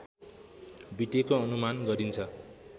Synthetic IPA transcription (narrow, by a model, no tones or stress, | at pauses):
biʈekoʌnumanɡʌɾint͡sʰʌ